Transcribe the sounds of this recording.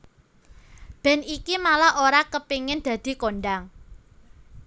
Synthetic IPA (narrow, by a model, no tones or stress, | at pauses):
b̥ɛ̤nikimalahʔoɾakəpiŋɪnd̪̥ä̤d̪̥i̤koɳɖaŋ